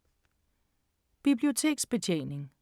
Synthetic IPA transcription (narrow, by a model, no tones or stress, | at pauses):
b̥ib̥lio̝t͡sʰe̝̰ːɡ̥sb̥e̝t͡ɕʰḛːne̝ŋ